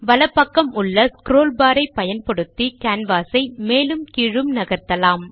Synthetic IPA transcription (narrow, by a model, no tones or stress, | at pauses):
ʋɐlɐpːɐkːɐmʊɭːɐskɾoːlbaːɾɐɪpːɐjɐnpɔɽɯt̪ːikaːnʋaːsɐɪmeːlɯmkiːɻɯmnɐɣɐɾt̪ːɐlaːm